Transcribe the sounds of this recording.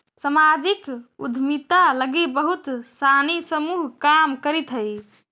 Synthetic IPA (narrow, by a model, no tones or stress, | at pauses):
səmad͡ʒikṵd̪ʱmit̪aləɡebəɦut̪sanisəmuɦkamkəɾit̪ɦəj